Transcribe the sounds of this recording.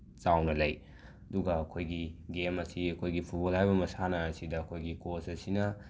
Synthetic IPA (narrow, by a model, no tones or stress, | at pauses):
t͡ʃawnɐlɐj | ɐduɡɐːkʰojɡiɡemɐsiɐkʰojɡipʰubolhajbɐmɐsanɐːsidɐːkʰojɡikosɐsinɐ